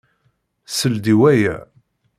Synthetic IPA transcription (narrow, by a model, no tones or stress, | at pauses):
səld̪iwæjæ̰